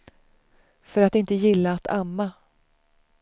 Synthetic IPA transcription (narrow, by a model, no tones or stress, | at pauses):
fœɾat̪ɪnt̪əjɪlːaːt̪ʰamːa